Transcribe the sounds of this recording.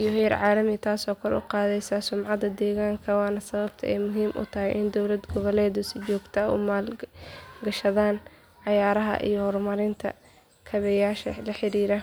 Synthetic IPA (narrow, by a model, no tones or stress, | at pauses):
ʔijɔɦɛjɐɾʕɑːlɐmɪt̪ʰaːsɔːkʰɐlɛ̰ʊqɑːðɛjsɐsʊmʕɑðɐd̪ɛːɣaːŋkʰɐwɑːnɐsɐβɐb̥t̪ʰɐ̰ʔɛjmʊɦiːmʔʊ̰t̪ʰɐɦɛjʔɪnd̪ɔwlɐd̪ɡɔβɐlɛːðʊsɪt͡ʃɔːɡt̪ʰɐʊ̰maːl | ɡɐʃɐðaːn | ʕɑjaːɾɐɦɐ̰ʔḭjɔhɔrmɐɾɪnt̪ʰɐ̰ | kʰɐβɛjaːʃɐlɐħɪɾiːɾɐ